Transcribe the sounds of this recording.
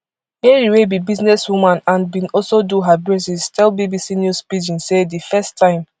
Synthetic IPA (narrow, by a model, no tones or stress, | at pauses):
mɛɹiwebibiznɛswumãnãnbĩnɔlsoduɦabɹɛsistʰɛlbibisinjuspid͡ʒĩnsedifɛstːãɪ̃m